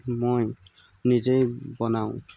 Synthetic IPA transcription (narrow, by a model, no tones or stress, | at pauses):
moj | nizejbɔnaʊ̃